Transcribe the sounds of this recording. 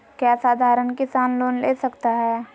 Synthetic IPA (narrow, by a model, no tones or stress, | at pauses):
kjaːsaːd̪ʱaːɾənkɪsaːnloːnleːsɐkt̪aɦɛː